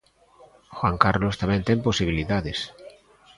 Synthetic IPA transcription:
xwaŋkaɾlost̪ament̪eŋposiβ̞iliðaðes

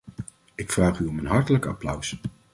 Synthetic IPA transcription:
ɪkfraːχyɔmənɦɑɹtələkɑ̰plʌws

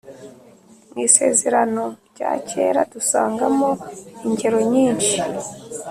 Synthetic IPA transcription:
ŋiːse̞ːze̞ɾano̞ɾɟa̰ːcʰeːɾadusaːŋɡamoiɲɟeɾo̞ɲiːnʃi

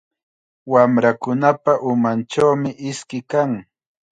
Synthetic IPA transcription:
wamɾakʊnapaʔʊmant͡ʃawmɪʔɪskɪkaŋ

